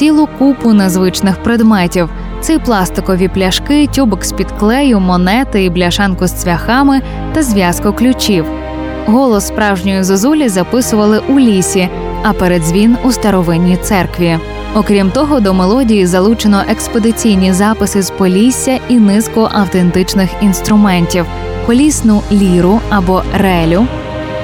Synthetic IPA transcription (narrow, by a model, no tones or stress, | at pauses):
t͡sʲilˠʊkupʊnezʋɪt͡ʃnɪxpɾed̪mɛtʲiw | t̪sɪjplˠɑst̪ɪkɔʋʲiplʲɐʃkɪtʲubɔksʲpʲid̪klˠɛjʊmɔnɛt̪ɪiblʲɐʃɑnkʊssʋʲɐxɑmɪ | t̪ɐzʲʋʲjɑskɔklʲʊt͡ʃʲiw | ɦɔlˠɔsːpɾɑwʒnʲɔjʊzezulʲizɐpɪsʊʋɐlˠɪʔulʲisʲi | ɐpɛɾed̪zʲʋʲinust̪ɐɾɔʋɪnʲːit̪sɛrkʋʲi | ɔkɾʲimt̪ɔɦɔd̪ɔmelˠɔdʲijizɐlˠut͡ʃenɔʔekspɔd̪ɪt͡sʲijnʲizɑpɪsɪzpɔlʲisʲːɐinɪskɔʔɐwt̪ent̪ɪt͡ʃnɪxinst̪ɾʊmɛnʲtʲiw | pɔlʲisnʊlʲiɾʊɐbɔrɛlʲʊ